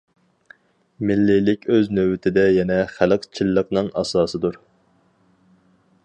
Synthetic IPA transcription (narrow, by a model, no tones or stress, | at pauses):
mɪlːɪlɪkʲøznøwɪt̪ʰɪd̪ɛjɛnɛχæləqt͡ʃʰilˠːəqnɨŋʔɑ̰sɑːsɨd̪uɾ